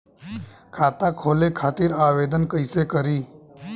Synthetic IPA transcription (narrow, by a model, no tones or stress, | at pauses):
kʰaːt̪akʰoːlekʰaːt̪iːɾaʋeːd̪ənkəɪsekəɾiː